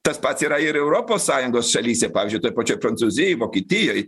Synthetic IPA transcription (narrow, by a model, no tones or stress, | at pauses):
t̪ɐspɐt̪siːɾɐɪɾɛʊɾoːpoːssɑːjʊŋɡoːsʃɐlʲiːsʲɛpɑːʋʲzʲd͡ʒʲʊɪt̪oɔjpɐt͡ʃʲoːjpɾɐnt̪suːzʲɪjɛɪʋoːkʲeːt̪ʲɪjoːj